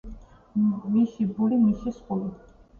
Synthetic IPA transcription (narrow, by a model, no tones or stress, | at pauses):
misibulimisisqʼuli